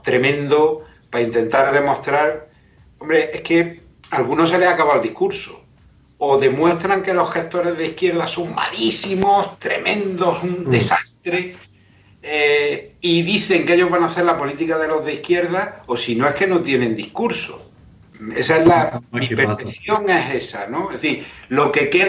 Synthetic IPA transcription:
t̪ɾe̞mẽ̞nd̪o | paint̪e̞nt̪aɾðe̞mo̞st̪ɾaɾ | o̞mbɾe̞ʔe̞ske̞ | alɣuno̞s̬e̞le̞akaβald̪ihkuɾso | oðe̞mwe̞st̪ɾaŋke̞lo̞hxe̞ht̪o̞ɾe̞zðeihkje̞ɾðaso̞ŋma̰lisimo̞st̪ɾe̞̰mẽ̞nd̪o̞sund̪e̞sast̪ɾe̞ | eiðiθe̞ŋke̞ʝo̞ɦβanaθe̞ɾlapo̞lit̪ikaðe̞lo̞zðeihkje̞ɾðaosino̞e̞hke̞no̞t̪je̞nẽ̞nd̪ihkuɾso̰ | e̞saezlaipeɾθeθjo̞ŋe̞se̞sano̞eθilo̞ke̞ke

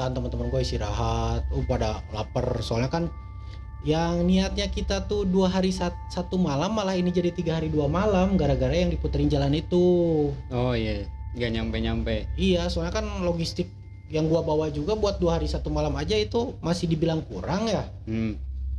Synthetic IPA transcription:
aant̪əmənt̪əmənɡuaist̪iɾaɦat̪̚upadala̰pərsoalɲakan | jaŋniat̪̚ɲakit̪at̪uduaɦaɾisat̪sat̪umalamːalahinid͡ʒadit̪iɡaɦaɾiduamalamɡaɾaɡaɾajaŋdiput̪əɾɪnd͡ʒalanit̪u | ojaŋɡaɲampeɲampɛijasoalɲakanloɡist̪ɪk̚ | jaŋɡuabawad͡ʒuɡabuat̪̚duaɦaɾisat̪umalamad͡ʒait̪umasɪhdibilaŋkuɾaŋja

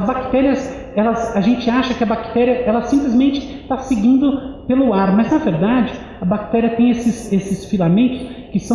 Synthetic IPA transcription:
zbakt̪ɛɾiɐs | ɛlɐsɐʒẽnt͡ʃɪaʃɐkɪɐbakt̪ɛɾiɐʔɛlɐsĩplɪzmẽnt͡ʃɪ̥ | t̪asɪɡĩnd̪ʊpelʊaɾmɐznɐveɾd̪ad͡ʒɪ | ɐbak̚t̪ɛɾiɐt̪ẽj̃esɪsesɪsfilamẽnt̪ʊ̥skɪsɐ̃

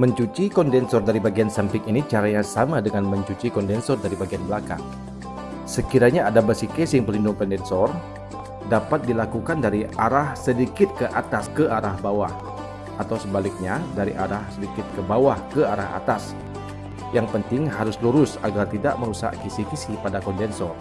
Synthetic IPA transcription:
məɲt͡ʃut͡ʃikɔndɛnsɔrdaɾibaɡiansampɪŋinit͡ʃaɾaɲasamadəŋanməɲt͡ʃut͡ʃikɔndɛnsɔrdaɾibaɡianbəlaka̰ŋ | səkiɾaɲaːdabəsikɛsɪŋpəlindʊŋpɛndɛnsɔr | dapat̪̚dilakukandaɾiaɾahsədikɪt̪̚kəʔat̪askəʔaɾahbawah | ʔat̪awsəbalɪk̚ɲadaɾḭʔaɾahsədikɪt̪̚kəbawahkəaɾa̰ɦa̰t̪as | jaŋpənt̪ɪŋɦaɾʊsluɾʊsa̰ɡart̪ida̰ʔməɾusa̰ʔkisikisipadakɔndɛnsɔr

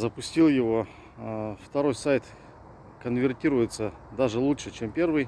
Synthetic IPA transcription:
zəpʊsʲtʲilˠjɪvo̞ | ft̪ɐɾo̞jsajt̪ | kənvʲɪrtʲiɾʊjɪt̪sə | d̪aʐɨlˠuʂɨt͡ɕempʲe̞rvɨj

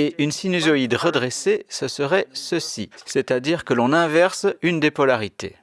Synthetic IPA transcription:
eʔynsinyzɔid̪ʁəd̪ʁesesəsəʁɛsəsḭsɛt̪ad̪iʁkəlɔ̃nɛ̃vɛʁsynd̪epɔlaʁit̪ḛ

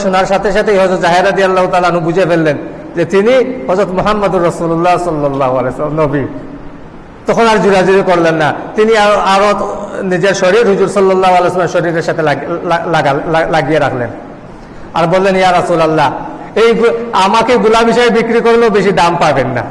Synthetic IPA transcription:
ʃonaɾʃat̪ʰeʃat̪ʰejɦɔzot̪zaɦeɾad̪ijalːaɦot̪aːlaanobud͡ʑefelːen | d͡ʑet̪iniɦɔzot̪moɦamːad̪uɾːɔsululːasɔlːɔlːaɦoaleslmnobi | t̪ɔkʰonaɾd͡ʑuɾad͡ʑuɾikɔɾlenːat̪iniaoaɾonid͡ʑeɾʃɔɾiɾɦuzuɾsɔlːɔlːaɦoalejsɔlmeɾʃɔɾiɾeɾʃat̪ʰelaaɡaalaɡijeɾakʰlḛn | a̰ɾbolːenjaɾɔsulalːa | ejɡamakeɡulabiʃɔjebikɾikoɾleobeʃid̪ampabenːa̰

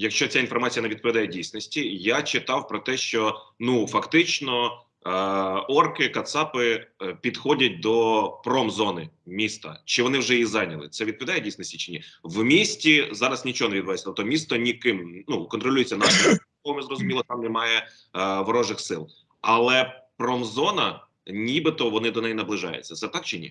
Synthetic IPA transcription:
jɐkʃt͡ʃɔt͡sʲain̪fɔrmɑt͡sʲijɐneʋʲid̪̚pɔʋʲid̪ɑjɛdʲijsʲnɔsʲtʲijat͡ʃɪt̪ɑwpɾɔt̪ɛʃt͡ʃɔnufɐkt̪ɪt͡ʃnɔ | ɔrkɪkɐt̪sɑpɪpʲid̪xɔdʲɐt̚ʲd̪ɔpɾɔmzɔnɪmʲist̪ɐ̰t͡ʃɪʋɔnɪwʒɛjizɑnʲɐlˠɪ̰t̪sɛʋʲid̪̚pɔʋʲd̪ɑjdʲijsʲnɔsʲtʲit͡ʃɪnʲiwmʲisʲtʲizɑɾɐsnʲit͡ʃɔɦɔneʋʲid̪bʋasʲt̪ɔp̚t̪ɔmʲist̪ɔnʲikɪmnukɔnt̪ɾɔlʲujɪt͡sʲːɐnɑʃɔ | ɔɔmɛzɾɔzʊmʲilˠɔt̪ɑmnɛmɑjɛ | ʋɔɾɔʒɪxsɪlˠ | ɐlˠɛpɾɔmzɔnɐ | nʲibɪt̪ɔʋɔnɪd̪ɔnɛjinɐblˠɪʒɑ̰jʊ̰t͡sʲːɐt̪sɛt̪ɑk̚t͡ʃɪnʲḭ

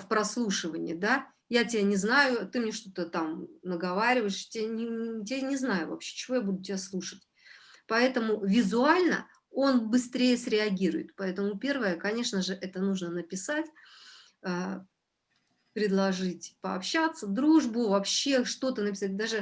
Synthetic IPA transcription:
fpɾɐslˠuʂɨvənʲɪ̰d̪a | jatʲɪbʲanʲɪznajʊt̪ɨmnʲe̞ʂt̪o̞t̪ət̪amnəɡɐvaɾʲɪvəɪʂtʲɪanʲɪtʲɪanʲɪznajʊ̰vɐ̰pɕːe̥t͡ɕɪvo̞jabud̪ʊtʲɪbʲaslˠuʂətʲ | pɐɛt̪əmʊvʲɪzʊalʲnə̰ | o̞nbɨst̪ɾʲejəsɾʲɪɐɡʲiɾʊjɪ̰t̪pɐɛt̪əmʊpʲe̞rvəjəkɐnʲeʂnəʐɨʔɛt̪ənuʐnənəpʲɪsatʲ | ə | pɾʲɪd̪lˠɐʐɨtʲpəɐ̰pɕːat̪səd̪ɾuʐbʊvɐpɕːe̞ʂt̪o̞t̪ənəpʲɪsat̚ʲd̪aʐɨ

